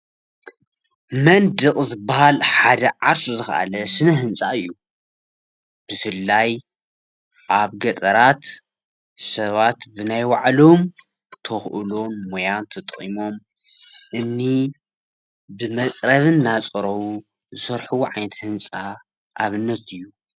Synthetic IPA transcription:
mɐnd̪ɨkʼzɨbːahalħad̪ɐʕaɾsuzɨxɐ̰ʔa̰lɐsɨnɐɦɨnt͡sʼaɨjːu | b̥ɨfɨlːaj | ʔaβɡɐt̪ʼɐɾat̪ | sɐβat̪bɨnajwaʕlo̞m | t̪ʰɐxʔɨlo̞nmojant̪ʰɐt̪ʼχʼḭmo̞m | ʔɨnːi | bɨmɐt͡sʼɾɐβɨnːat͡sʼɐɾɐwu | zɨsɐɾħuwʕajnɐt̪hɨnt͡sʼa | ʔaβɨnːɐt̪ɨjːu

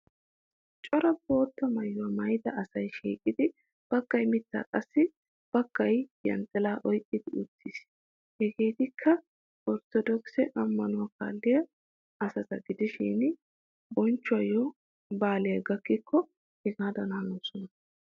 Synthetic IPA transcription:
t͡ʃʼɔɾɐbo̞ːt̪ːɐmɐjːʊwɐmɐjd̪ɐʔɐsɐjʃiːkʼɪd̪ɪ | b̥ɐkːɐjmɪt̪ːa̰ːkʼɐsːɪ | b̥ɐkːɐjjɐ̰nt̪ʼːɛlaːʔɔjkʼːɪd̪ɪʊt̪ːɪs | hɛɡeːt̪ɪkʰːɐ | ɔɾt̪ɔd̪ɔksɛʔɐmːɐnʊwɐka̰ːlːɪjɐ | ɐsɐtɐɡɪd̪ɪʃḭːn | bɔnt͡ʃːʊwɐjɔ | baːlɪjɐɡɐkːɪkʰːɔ | hɛɡaːd̪ɐnaːnoːsɔnɐ

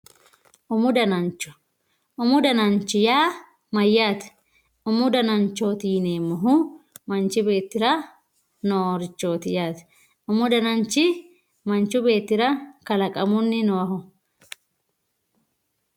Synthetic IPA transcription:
ʔʊmʊd̪ɐnɐnt͡ʃːɔ̥ | ʔʊmʊd̪ɐnɐnt͡ʃːɪjaː | mɐjːaːt̪ | ʊmʊd̪ɐnɐnt͡ʃːo̞ːt̪iːneːmːɔɦʊmɐnt͡ʃɪbe̞ːt̪ːɪɾɐ | noːɾɪt͡ʃːo̞ːt̪ɪjaːt̪ɛ̥ | ʊmʊd̪ɐnɐnt͡ʃːɪ | mɐnt͡ʃːʊbe̞ːt̪ːɪɾɐkɐlɐkʼɐmʊnːɪnɔwɐɦɔ

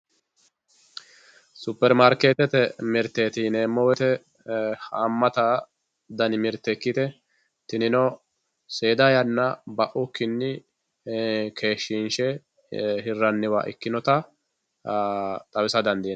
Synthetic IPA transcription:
sʊpːɛɾmaɾkeːt̪ɛt̪ɛmɪɾt̪ːeːt̪ineːmːɔwɛt̪ɛ | hamːɐt̪ɐ | d̪ɐnɪmɪɾt̪ːɛkːɪt̪ɛ | t̪ɪnɪnɔ | seːd̪ɐjɐnːɐbɐʔʊkːɪnːɪ | kʰe̞ːʃːɪnʃɛ | ɦɪrːɐnːɪwa̰ʔɪ̰kːɪnɔt̪ɐ | t̪ʼɐwɪsɐd̪ɐnd̪i

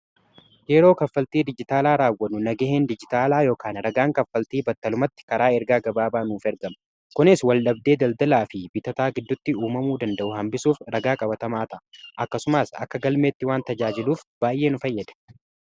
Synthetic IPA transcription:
jɛɾo̞ːkɐfːɐlt̪iːd̪ɪd͡ʒɪt̪aːlaːɾaːwːɐnːʊnɐɡɛɦend̪ɪd͡ʒɪt̪aːlaːjo̞ːkaːnɾɐɡaːŋkɐfːɐlt̪iːbɐt̪ːɐlʊmɐt̪ːɪ̥kɐɾaːɛɾɡaːɡɐbaːbaːnuːfɛɾɡɐm | kʊnɪswɐlɗɐb̚d̪e̞ːd̪ɐld̪ɐlaːfɪbɪt̪ɐt̪aːɡɪd̪ːʊt̪ːɪuːmɐmuːd̪ɐnd̪ɐʔʊhɐmbɪsuːfɾɐɡaːkʼɐbɐt̪ɐmaːt̪ɐʔɐʔɐkːɐsʊmaːsɐ̰kːɐɡɐlme̞ːt̪ːɪwaːnt̪ɐd͡ʒaːd͡ʒɪluːfb̥aːjʔe̞ːnʊfɐjːɐd̪ɐ̥

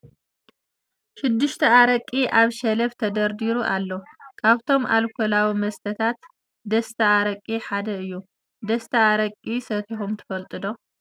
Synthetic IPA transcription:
ʃɪd̪ːɨʃt̪ʰɐaɾɐkʼːiʔaβʃɐlɐft̪ʰɐd̪ɐɾd̪iɾuʔalːɐkʰaβt̪ʰo̞mʔa̰lkʰolawimɐst̪ʰɐt̪ʰat̪ | d̪ɐst̪ʰɐaɾɐkʼiħad̪ɐɨjːu | d̪ɐst̪ʰɐaɾɐkʼisɐt̪ʰiħumt̪ʰɨ̥fɐlt̪ʼɨd̪o̞

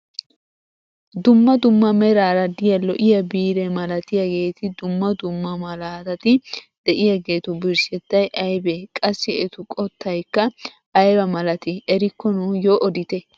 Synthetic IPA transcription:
d̪ʊmːɐd̪ʊmːɐmɛɾaːɾɐd̪ɪjɐlɔʔɪjɐbiːɾɛmɐlɐt̪ɪjɐɡe̞ːt̪ɪd̪ʊmːɐd̪ʊmːɐmɐlaːt̪ɐt̪ɪ | d̪̥ɛʔɪjɐɡe̞ːt̪ʊbɪɾsɛt̪ːɐjʔɐjbeːkʼɐsːɪɛt̪ʊkʼɔt̪ːɐjkːɐ | ʔɐjɾɐmɐlɐt̪ɪɛɾɪkːɔnujoːʔɔd̪ɪt̪ɛ

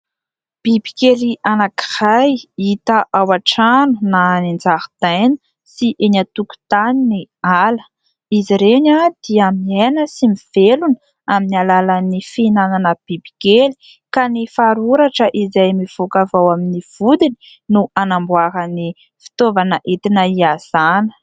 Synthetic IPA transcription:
b̥ibi̥keliʔanaki̥hajit̪əʔawaʈ͡ʂanunanind͡zaɾud̪̥ajnə̥ | siʔeɲat̪uku̥t̪aninialə̥ | iziɾeɲad̪̥iaminenəsimiv̥elunə | aminalalanifinananəb̥ibiɡeli̥ | kanifaɾuɾaʈ͡ʂəʔizajmiv̥okavawaminiv̥ud̪ini̥ | nuanambwaɾəni | fi̥t̪ovanəʔet̪inəiaz̥anə̥

